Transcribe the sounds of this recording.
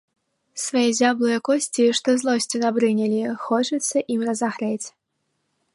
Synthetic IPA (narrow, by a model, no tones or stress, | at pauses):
svajɛzʲablˠɨjɛkɔsʲt͡sʲiʂt̪ɔzlˠɔsʲt͡sʲinɐbɾɨnʲɐlʲixɔt͡ʂɐt̪sːɐʔimrɐzaɣɾɛt͡sʲ